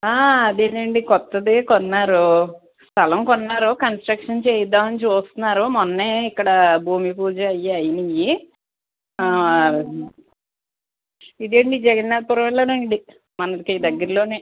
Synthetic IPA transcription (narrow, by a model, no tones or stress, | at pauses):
aːd̪eːnɐɳɖikɔt̪ːɐd̪ekɔnːaːɾu | st̪ʰɐlɐmkɔnːaːɾukɐnsʈɾɐkʂɐnt͡ʃeːjɐd̪ːaːmɐnit͡ʃuːst̪unːaːɾumonːeːikːɐɽɐbʱuːmipuːd͡ʒɐɐjːaɐjɐnɐji | id̪eːɳɖid͡ʒɛɡɐnnalpuɾɐʋɛlːɐːnɐɳɖi | mɐnɐkiːd̪ɐɡːɐɾlo̞ːneː